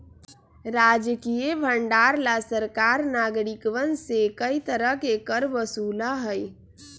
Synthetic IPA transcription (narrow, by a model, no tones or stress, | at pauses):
ɾaːd͡ʒəkijebʱəɳɖaːɾlasəɾkaːɾnaːɡɾikʋənsekəit̪əɾəɦkekəɾbəsuːlaɦəj